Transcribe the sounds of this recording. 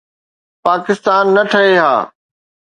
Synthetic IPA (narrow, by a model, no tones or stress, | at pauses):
paːkɪst̪aːnːɐʈʰɐɦeɦa̰ː